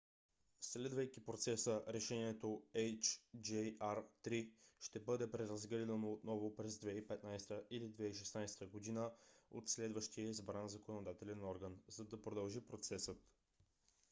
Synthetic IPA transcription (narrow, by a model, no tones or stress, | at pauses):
slɛd̪vəjkipɾot̪sɛsəɾɛʃɛniɛt̪oɛjt͡ʃd͡ʒɛaɾt̪ɾiʃt̪ɛbɤd̪ɛpɾɛɾɐzɡɾid̪ənoːt̪nɔvopɾɛzd̪vɛipɛt̪najst̪əʔilid̪vɛiʃ̬ɛsnajst̪əɡod̪inəo̰t̪slɛd̪vəʃt̪iəzbɾanzɐkonod̪at̪ɛlɛnɔɾɡənzɐd̪ɐpɾod̪ɐlˠʒipɾot̪sɛsət̪